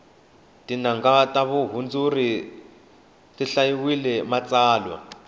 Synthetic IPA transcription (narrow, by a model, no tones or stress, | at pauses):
tʼinaŋɡatʼaβuɦund͡zuri | tiɬajiwilɛmat͡sʼaːlwa̰